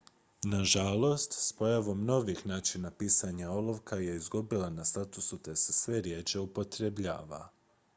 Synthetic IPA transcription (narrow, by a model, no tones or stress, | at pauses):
naʒalˠo̞st̪spo̞jaʋo̞mno̞ʋixnaːt͡ʃinapiːsaɲaolˠo̞ʋkʰaje̞izɡubilanast̪at̪usut̪e̞se̞sʋe̞ɾje̞t͡ʃeupo̞t̪ɾebʎa̰ːʋa̰